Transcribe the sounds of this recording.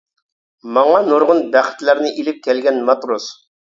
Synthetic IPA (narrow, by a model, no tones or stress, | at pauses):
mɑŋɑnuɾʁʊnbæχɪ̥t̪læɾnɪʔilɪp̚kʲʰɛlɡʲɛnmɑt̪ɾos